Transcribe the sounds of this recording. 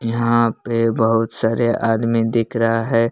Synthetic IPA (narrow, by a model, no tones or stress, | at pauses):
jɐɦãpebɐɦʊt̪saːɾeʔaːd̪mid̪ɪkʰɾəɦaɦɛː